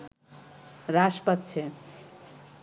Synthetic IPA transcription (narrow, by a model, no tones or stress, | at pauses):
ɾaʃpat̪ːt͡ɕʰe